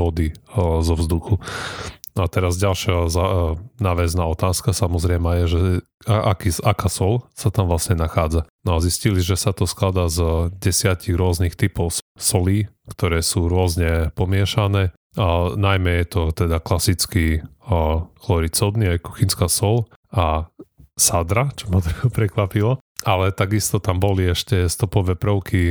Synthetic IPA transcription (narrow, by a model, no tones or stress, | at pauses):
ʋɔd̪izɔvzd̪uxu | at̪ɛɾazɟalʃɪazanaːʋɛznaːɔt̪aːskasamɔzɾɛjmajɛʒɛ | ʔa̰kisakaːsɔlsat̪amʋlasɲɛnaxaːd͡zanɔazisciliʒɛsat̪ɔsklad̪aːzɟɛsɪaciɣɾʊɔznixt̪ipɔʊssɔliː | kt̪ɔɾɛːsuːɾʊɔzɲɛpɔmɪɛʃanɛː | najmɛjɛt̪ɔt̪ɛd̪aklasit͡ski | xlɔɾit͡sɔd̪niajku̥xinskaːsɔl | a | sad̪ɾat͡ʃɔmat̪ɛpɾɛkʋapilɔ | alɛt̪aɡist̪ɔt̪ambɔliɛʃcɛst̪ɔpɔʋɛːpɾɔʊki